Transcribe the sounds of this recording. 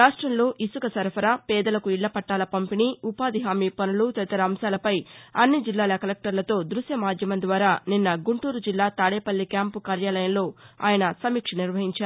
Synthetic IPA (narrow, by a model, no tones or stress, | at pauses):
ɾaːʂʈɾɐmlo̞ːʔisukɐsɐɾpʰɐɾapɛːd̪ɐlɐkuiɭːɐpɐʈːaːlɐpɐmpiniupaːd̪iɦaːmiːpɐnulut̪ɛt̪ɐɾɐmsaːlɐpɐjɐnːid͡ʒilːaːlɐkɐlek̚ʈɐɾlɐt̪o̞ːd̪ɾusjɐmaːd͡ʒ̪ʱjɐmɐnd̪ʋaːɾaːninːɐɡuɳʈuːɾud͡ʒilːaːt̪aːɽeːpɐlːikaːmpukaːɾjaːlɐjɐmlo̞ːa̰ːjɐnɐsɐmiːkʂɐniɾʋɐɦiɲt͡ʃaːɾu